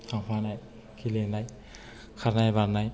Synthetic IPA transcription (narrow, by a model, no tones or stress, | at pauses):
sapʰanaj | kʰilenaj | kʰaɾnajbaɾnaj